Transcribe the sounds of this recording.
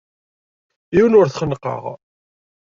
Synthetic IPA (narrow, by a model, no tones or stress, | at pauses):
iwnʊɾθχənqːɑ̰ʁ